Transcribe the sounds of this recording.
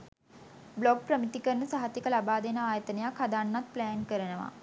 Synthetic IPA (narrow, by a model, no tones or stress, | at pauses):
bloɡ̚prəmit̪ikərnəsaɦat̪ikəlabaːd̪enəaːjət̪ənejakʰhad̪anːat̪̚plæːnkəɾənəʋa̰